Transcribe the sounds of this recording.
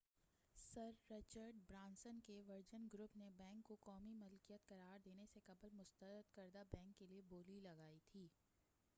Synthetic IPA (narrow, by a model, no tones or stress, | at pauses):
sɐɾːɪt͡ʃəɾɖ̚bɾãːnsənkeʋɐɾd͡ʒənɡɾʊpnebɛ̃ːŋkːokɔːmimʊlkijət̪kɐɾaːɾd̪eːnesekɐbəlmʊst̪əɾəd̪kɐɾd̪abɛ̃ːŋkːelieboːlilɐɡaːit̪ʰiː